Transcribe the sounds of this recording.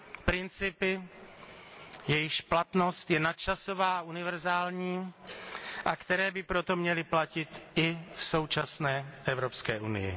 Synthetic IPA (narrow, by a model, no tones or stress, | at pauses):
pɾɪnt͡sɪpɪ | jɛjɪʃplat̪no̞st̪jɛnat̪̚t͡ʃasovaːʔunɪvɛɾzaːlɲiː | ʔakt̪ɛɾɛːbɪpɾot̪omɲɛlɪplacɪt̪ʔɪfso̞wt͡ʃasnɛːʔɛvɾopskɛːʔunɪ̰jɪ̰